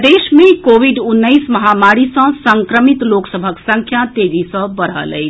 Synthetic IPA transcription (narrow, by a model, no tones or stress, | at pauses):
d̪esmẽkoʋʱiɖunːəjsməɦamaɾisə̃səŋkɾəmit̪loksəbʱəksə̃ŋkʰjat̪ed͡ʒisə̃bəɽ̤ə̰lə̰jt͡ʃʰ